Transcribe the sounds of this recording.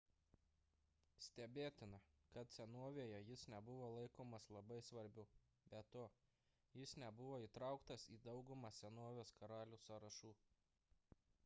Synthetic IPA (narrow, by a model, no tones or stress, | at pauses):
sʲt̪ʲɛbʲeːt̪ʲɪnɐkɐt̪sʲɛnoɔʋʲeːjɛjɪsnʲɛbʊʋoːlˠɐɪkoːmɐslˠɐbɐɪsʋɐɾʲbʲʊ | bʲɛt̪oː | jɪsnʲɛbʊʋoːiːˑt̪ɾɑˑʊkt̪ɐsiːd̪ɒʊɡʊmɑːsʲɛnoɔʋʲoːskɐɾɑːlʲuːsɑɾɐʃuː